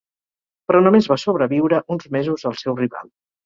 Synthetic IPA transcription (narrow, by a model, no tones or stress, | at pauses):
pɾɔnomezβasoβɾəβiwɾəʔunzmezuzəlˠsɛwriβa̰lˠ